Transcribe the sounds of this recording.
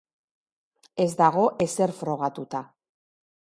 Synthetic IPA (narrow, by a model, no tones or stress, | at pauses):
e̞zd̪aɣ̞o̞ʔe̞se̞ɾfɾo̞ɣ̞at̪ut̪a